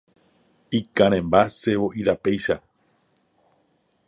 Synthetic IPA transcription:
ikãɾ̃ẽmbase̞ʋo̞ʔiɾape̞jʃa

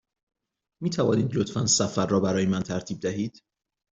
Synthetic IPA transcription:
miːt̪ʰævɒːniːd̪lot̪ʰfænsæfæɾːɒːbæɾɒːjemænt̪ʰæɾt̪ʰiːb̚d̪æɦiːd̪̥

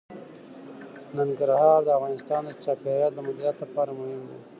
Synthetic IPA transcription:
naŋɡaɾhɑːɾd̪əavɣɑːnɪst̪ɑːnd̪ət͡ʃɑːpeɾjɑd̪ləmʊd̪ɾjɑːt̪ləpɑːɾamʊhɪmd̪e

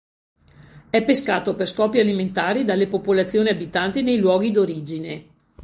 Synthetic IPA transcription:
ɛpeskaːt̪operskɔːpjialiment̪aːɾid̪alːepopolat̪sːjoːniabit̪ant̪inejlwɔːɡid̪oɾiːd͡ʒine

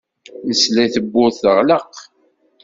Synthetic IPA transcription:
nəslæθəbːʊθəʁləq

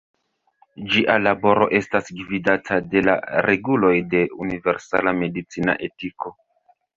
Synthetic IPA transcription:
d͡ʒiʔalabo̞ɾo̞̰ʔe̞stasɡividatʰade̞la̰ɾe̞ɡulo̞jde̞unive̞ɾsa̰lame̞dit͡sina̰ʔe̞tiko̞

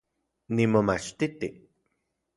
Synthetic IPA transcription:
nimomat͡ʃt̪it̪i

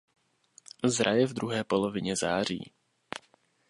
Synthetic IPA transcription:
zɾajɛvd̪ɾuɦɛːpo̞lo̞vɪɲɛza̰ːr̝ḭː

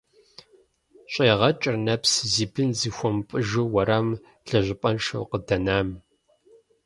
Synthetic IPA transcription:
ɕʷʼeːʁɐt͡ʃʼɪrnɐpsziːbɨnziːxʷɔmpʼɨʒɨwɐɾɐm | ɮɐʑʷɪpʼɐnʃɐ̰wqədɐnaːm

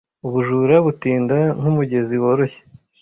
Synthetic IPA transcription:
uβuʒuɾaβutiːndanhumuɟe̞ziwo̞ɾoçe̥

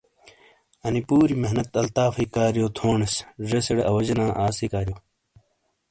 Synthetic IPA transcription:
ɐnipuːɾimeɦnɐt̪ɐlt̪aːfiːkaːɾjoːt̪ʰoːɳɐsʐeseɽeɐwɐd͡ʑɐnãːʔaːsikaːɾijoː

